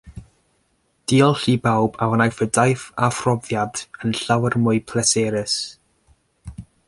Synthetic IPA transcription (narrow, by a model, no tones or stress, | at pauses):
d̥iːɔlˠɬiːbawbawənajfədajfafrɔvjadənɬawərmʊɨpʰlɛsɛːɾɪs